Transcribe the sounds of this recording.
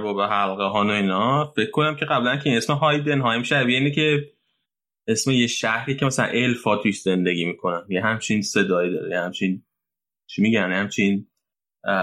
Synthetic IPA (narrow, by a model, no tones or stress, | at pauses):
vɔːbeɦælɣeɦɒːno̞iːnɒfe̞kʰkːo̞næmcʰe̞ɣæblænkʰeinesmeɦɒjd̪enɦɒːjimiʃæbjeinicʰe̞ | e̞smejeʃæhɾiːcʰemasælæ̰nʔe̞lfɒːt̪ʰuʃz̥e̞nd̪e̞ɡʲiːmiːkʰo̞næmjeɦæmt͡ʃʰinse̞d̪ɒːid̪ɒ̰ːɾejehæmt͡ʃʰin | t͡ʃʰimiɟæjehæmt͡ʃʰin